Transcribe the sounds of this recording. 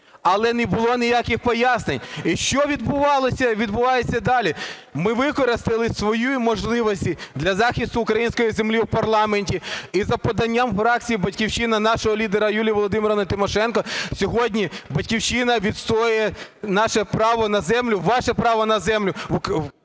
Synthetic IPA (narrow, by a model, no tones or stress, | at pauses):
ɐlˠɛnɛbʊlˠɔnʲijakɪxpɔjasnenʲiʃt͡ʃɔʋʲid̪bʊʋɑlˠɔsʲɐʋʲid̪bʊʋɑjesʲːɐd̪ɑlʲi | mɪʋɪkɔɾɪst̪ɪlˠɪsʋɔjujmɔʒlˠɪʋɔsʲtʲid̪lʲɐzɑxʲist̪ʊːkɾɐjinʲsʲkɔjizemlʲiwpɐrlˠɑmenʲtʲiizɐpɔd̪ɐnʲːamfɾɑk̚t͡sʲijibɐtʲkʲiwt͡ʃɪnɐnɑʃɔɦɔlʲid̪eɾɐjulʲijʋɔlˠɔd̪ɪmɪɾɐnɐt̪ɪmɔʃɛnkɔsʲɔɦɔdʲnʲibɐtʲkʲiwt͡ʃɪnɐʋʲid̪st̪ɾɔjʊjɛnɑʃɛpɾɑʋɔnɐzɛmlʲʊʋɑʃɛpɾɑʋɔnɐzɛmlʲʊ